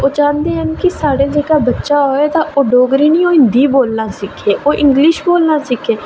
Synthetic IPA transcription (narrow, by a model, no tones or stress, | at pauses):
oːd͡ʒãːnd̪eːɦənkɪsaːɽeːd͡ʒeːkaːbətːʃaːɦoːeːt̪ãːʔoːɖoːɡɾiːniːoːɪ̃nd̪iːboːlnaːsɪkʰːeːʔoːʔɪ̃ŋɡlɪʃboːlnaːsɪkʰeː